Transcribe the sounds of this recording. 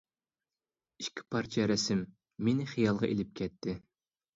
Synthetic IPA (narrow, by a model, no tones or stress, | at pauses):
iʃkʲʰi̥pʰɑɾt͡ʃʰɛɾɛsɪmː | enɪχijɑlˠʁɑʔelɪp̚kʲʰɛt̪ʰːɪ